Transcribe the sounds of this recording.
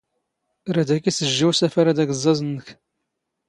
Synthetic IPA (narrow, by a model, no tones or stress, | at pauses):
ɾæd̪ækisəʒːiwsæfaɾad̪æɡəzˤːɑzˤənːəç